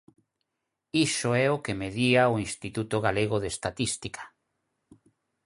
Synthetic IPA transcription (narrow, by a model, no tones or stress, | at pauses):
isoɛokemeðiaoinst̪it̪ut̪oɣaleɣoðest̪at̪ist̪ikʰḁ